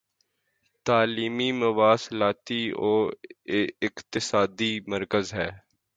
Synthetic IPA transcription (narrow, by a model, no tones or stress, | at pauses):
t̪aːliːmimʊʋaːslaːt̪ioː | ɪqt̪ɪsaːd̪iməɾkəzɦɛː